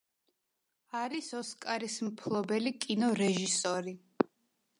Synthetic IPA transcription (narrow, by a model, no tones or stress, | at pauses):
aɾisɔskʼaɾismpʰlˠɔbɛlikʼinɔɾɛʒisɔɾi